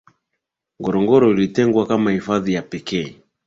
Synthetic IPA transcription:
ŋɡɔɾɔŋɡɔɾɔilitɛŋɡwakamahifaðijapɛkɛː

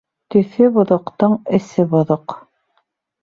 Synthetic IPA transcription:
t̪ɵ̆θɘbŏðŏqt̪ɤɴɘ̆sɘbŏðoq

